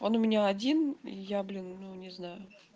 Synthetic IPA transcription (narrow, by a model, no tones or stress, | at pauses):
o̞nʊmʲɪnʲaɐdʲinḭjablʲinːunʲɪznajʊ